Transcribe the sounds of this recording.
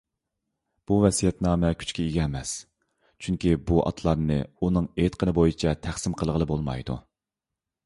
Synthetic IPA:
b̥uvɛsijɛt̪nɑːmɛkʲʰy̥t͡ʃkʲɛiɡʲɛːmɛs | t͡ʃʰyŋkʲibuʔɑ̰t̪ʰlˠɑɾnɨunɨŋet̪qʰənɨbojit͡ʃʰɛt̪ʰæχsɪmqʰəlˠəʁəlˠɨbolˠmɑ̰jd̪ṵ

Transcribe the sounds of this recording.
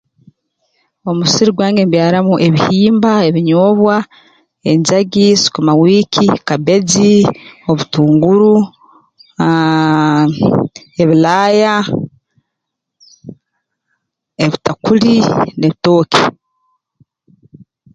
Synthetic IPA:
o̞musiɾiɡwaːŋɡembjaːɾamuʔe̞βihiːmbae̞βiɲoːβwa | e̞ɲzaɡisi̥komawiːkʰikabe̞d͡zio̞βutuːŋɡuɾu | e̞βilaːja | eβitakuline̞βito̞ːki̥

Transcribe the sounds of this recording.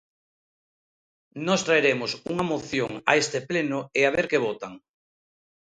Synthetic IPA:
nɔst̪ɾaeɾemʊsuŋɐmoθjoŋa̰est̪eplenʊeaβ̞eɾkeβ̞ot̪aŋ

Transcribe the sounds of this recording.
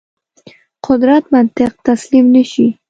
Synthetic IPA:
qʰʊd̪ɾat̪mant̪ɪq̚t̪aslimnɪʃi

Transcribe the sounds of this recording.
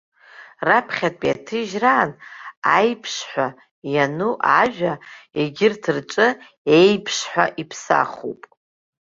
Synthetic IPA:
rapʰχʲatʼpʼjatʰɨʒraːnajpʰʂħʷa | januʔaʒᶣaeɡʲɪrtʰɨrʈ͡ʂʼɨ | ejpʰʂħʷᶣa̰ʔipʰsa̰χṵpʼ

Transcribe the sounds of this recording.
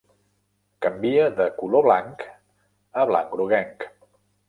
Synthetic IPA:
kəmbiəðəkuloβlaŋk | əβ̞la̰ŋkɾuɣɛŋk

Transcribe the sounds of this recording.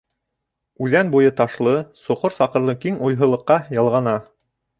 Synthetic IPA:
ʉðænbujɤt̪ɑʃlˠɤsŏqoɾsɑqɤ̆ɾlˠɤkiŋujɦɤ̆lˠɤ̆qːɑjɑlˠʁɑnɑ

